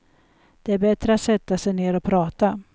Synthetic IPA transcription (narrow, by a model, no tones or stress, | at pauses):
d̪̥ɛæɾbɛt̪ɾəat̪sɛt̪ːasɛjneːɾɔpʰɾɑːt̪a